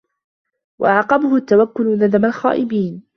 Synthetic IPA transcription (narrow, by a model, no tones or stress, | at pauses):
wa̰ʔaʕqɑbʊhʊt̪ːawakːʊlnad̪amalxa̰ːʔɪbiːn